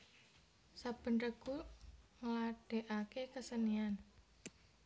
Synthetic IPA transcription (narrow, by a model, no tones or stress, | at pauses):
sab̥ə̤nrəɡ̥uŋlaɖ̥e̤ʔakekəsənian